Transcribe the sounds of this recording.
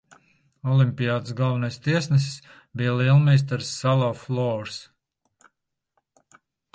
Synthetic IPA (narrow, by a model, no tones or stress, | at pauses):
ɔlˠimʲpʲijaːd̪ɨsɡalˠvɛnajst̪iɛsnɛsi̥s | bijlilˠmɛjs̬t̪aɾsːalˠɔflˠɔːɾs